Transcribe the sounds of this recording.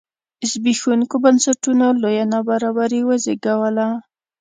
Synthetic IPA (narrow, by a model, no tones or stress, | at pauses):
ɪsbixunkobansaʈunolojanabaɾabaɾiwazeɡawala